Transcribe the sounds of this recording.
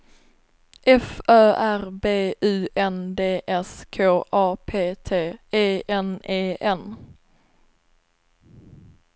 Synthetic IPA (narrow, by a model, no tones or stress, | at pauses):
ʔɛfœːʔæɾbeːʉ̟ːʔɛnd̪eːʔɛskʰoːʔɑːpʰeːt̪ʰeːeːɛneːʔɛn